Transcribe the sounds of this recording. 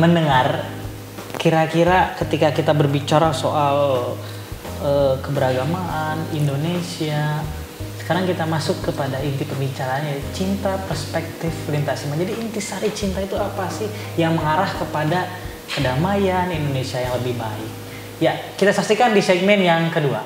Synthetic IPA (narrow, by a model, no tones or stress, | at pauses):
mənəŋar | kiɾakiɾakət̪ikakit̪abərbit͡ʃaɾasoʔal | əkəbəɾaɡamaanindonesia | sə̥kaɾaŋkit̪amasʊkːəpadaint̪ipəmbit͡ʃaɾaːnjat͡ʃint̪apərspɛk̚t̪ɪflint̪asimad͡ʒadiːnt̪isaɾit͡ʃint̪ait̪uapasɪh | jaŋməŋaɾahkəpada | pədamajanindonesiajaŋləbɪhba̰ɪk̚ | jakit̪asak̚sikandisɛɡ̚mɛnjaŋkədua̰